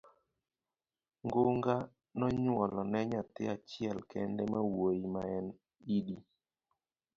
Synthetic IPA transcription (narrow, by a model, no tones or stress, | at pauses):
ŋɡoŋɡa | nɔɲwɔlɔnɛɲatɪat͡ʃɪɛlkɛndɛmawojimaɛn | idi